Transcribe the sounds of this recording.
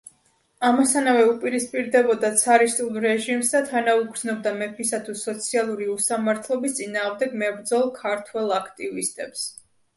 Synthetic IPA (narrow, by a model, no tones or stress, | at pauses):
amɔsanavɛupʼiɾispʼiɾd̪ɛbɔd̪at̪sʰaɾist̪ʼulˠɾɛʒimsd̪at̪ʰanauɡɾznɔb̚d̪amɛpʰisat̪ʰusɔt̪sʰialˠuɾiusamaɾt̪ʰlˠɔbist̪sʼinaːʁmd̪ɛɡmɛbɾd̪zɔlˠkʰaɾt̪ʰwɛlˠakʰt̪ʼivist̪ʼɛps